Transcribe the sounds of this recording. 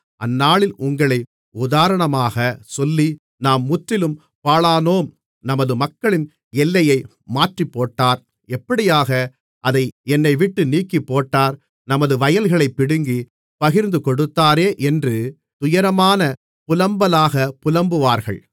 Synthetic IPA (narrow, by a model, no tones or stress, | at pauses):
ʔɐ̰nːaːɭɪlʔʊŋɡɐɭɐɪ | ʊðaːɾɐɳɐmaːɣɐsɔlːi | naːmːʊʈɾɪlɯm | paːɭaːnoːm | nɐmɐðɯmɐkːɐɭɪn | ɛlːɐjɐɪ | maːʈripːoːʈːaːɾ | ɛpːɐɽɪjaːɣɐ | ʔɐðɐɪɛnːɐɪʋɪʈːɯniːkːipːoːʈːaːɾ | nɐmɐðɯʋɐjɐlɣɐɭɐɪpːɪɽɯŋɡi | pɐɣɪɾnd̪ɯkɔɽɯt̪ːaːɾeːʔɛndrɯ | t̪ʊjɐɾɐmaːnɐ | pʊlɐmbɐlaːɣɐpʊlɐmbɯʋaːɾɣɐ̰ɭ